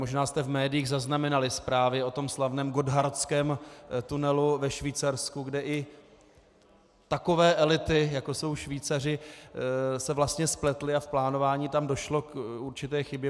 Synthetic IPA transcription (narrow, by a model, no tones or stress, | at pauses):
moʒnaːst̪ɛvmɛːdɪjiːɣzaznamɛnalɪspɾaːvɪo̞t̪o̞mslavnɛːmɡo̞dɦaɾt͡skɛːmt̪unɛluvɛʃviːt͡saɾskuɡdɛʔɪ | t̪ako̞vɛːʔɛlɪt̪ɪjakoso̞wʃviːt͡sar̝ɪ | sɛvlast̪ɲɛsplɛt̪lɪafplaːnovaːɲiːt̪amdo̞ʃlo̞kuɾt͡ʃɪt̪ɛːxɪbjɛ